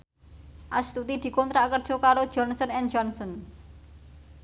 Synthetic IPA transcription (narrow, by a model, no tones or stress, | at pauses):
ʔast̪ut̪id̪̥i̤kont̪ɾakərd̥ʒ̥ɔ̤kaɾo̥ʒ̥ɔnsɔnɛnd͡ʒɔnsɔn